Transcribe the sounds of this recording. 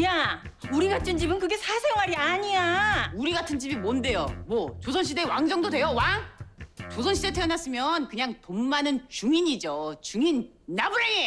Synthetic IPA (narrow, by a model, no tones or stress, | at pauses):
ja | uɾiɡatʰɯnd͡ʑibɯnkɯɡe̞sʰasʰe̞ŋwaɾiaɲiauɾiɡatʰɯnd͡ʑibimonde̞jomwʌt͡ɕosʰʌnɕʰide̞waŋd͡ʑʌŋdodwe̞jowaŋt͡ɕosʰʌnɕʰidetʰeʌnas͈ɯmjʌnkɯɲaŋtomːanɯnt͡ɕuŋiɲid͡ʑot͡ɕuŋinː | abuɾee